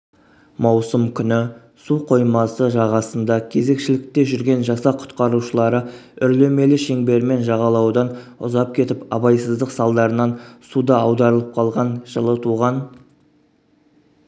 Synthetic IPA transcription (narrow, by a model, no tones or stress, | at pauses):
mɑwsəmkʲʰʏnɪ | suqʰo̞jmɑsəʒɑʁɑsənd̪ɑkʲʰe̞ze̞kʃɪlɪk̚t̪e̞ʒʏɾɡʲe̞nʒɑsɑqʰʊ̥t̪qɑɾuʃəlˠɑɾəʏɾle̞me̞lɪʃe̞ŋbe̞ɾme̞nʒɑʁɑlˠɑwd̪ɑnʊ̰zɑp̚kʲʰe̞t̪ɪpɑbɑjsəzd̪əqsɑlˠd̪ɑɾənɑnsud̪ɑɑwd̪ɑɾəlˠəp̚qʰɑlˠʁɑnʒ̥əlˠət̪ʰuʁɑn